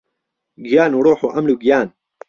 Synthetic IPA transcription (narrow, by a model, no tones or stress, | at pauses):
ɡijaːnuːɽoːħuːʔɐmluːɡijaːn